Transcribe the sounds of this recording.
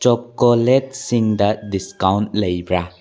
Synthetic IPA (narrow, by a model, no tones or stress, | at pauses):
t͡ʃɔkːolɛt̚siŋd̪adiskãwntlejbɾa